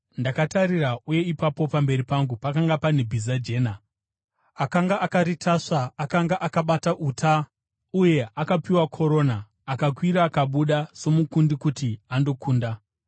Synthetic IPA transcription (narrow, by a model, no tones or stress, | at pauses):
ndakatarirauje̞ipapo̞pambe̞ɾipaŋɡupakaŋɡapanebʱizad͡ʒe̞ːna | akaŋɡaʔakaɾitʰaʂaakaŋɡaʔakaɓataʔutʰa | uje̞ʔakapiwakʰo̞ɾo̞ːnaː | kakwiɾaːkaɓuɗaso̞mukundikutiando̞kʰuːnda